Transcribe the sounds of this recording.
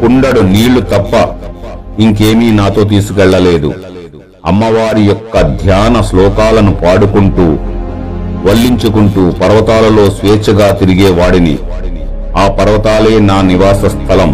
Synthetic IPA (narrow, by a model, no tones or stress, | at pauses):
kuɳɖɐɽuniːɭut̪ɐpːɐ | iŋkeːmiːnaːt̪o̞ːt̪̬iːsukɛɭːɐle̞ːd̪ṵ | ɐmːɐʋaːɾijɔkːɐd̪ʱjaːnɐslɔːkaːlɐnupaːɽukuɳʈuː | ʋɐɭːiɲt͡ʃukuɳʈuːpɐɾʋɐt̪aːlɐlo̞ːsʋeːt͡ʃɐɡaːt̪iɾiɡeːʋaːɽinḭ | aːpɐɾɐʋɐt̪aːle̞ːnaːniʋaːsɐst̪ʰɐlɐm